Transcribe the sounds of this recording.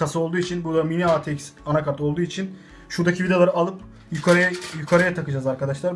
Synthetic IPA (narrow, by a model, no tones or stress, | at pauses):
asɯo̞lˠd̪uːit͡ʃʰinbuɾd̪aminiat̪ʰecsanakaɾt̪olˠd̪uːit͡ʃʰin | ʃuɾd̪acʰivʲid̪elˠaɾɯalˠɯp | jykʰaɾaajykʰaɾajat̪ʰakɯd͡ʒaːzaɾkʰad̪aʃlˠaɾ